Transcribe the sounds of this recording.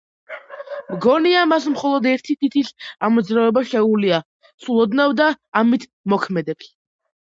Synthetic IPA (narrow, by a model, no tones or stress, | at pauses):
mɡɔniamas̬mχɔlˠɔd̪ɛɾt̪ʰit̪ʰit̪ʰisamɔd̪zɾavɛbaʃɛulia | sulˠɔd̪navd̪aːmit̪ʰ | mɔkʰmɛd̪ɛps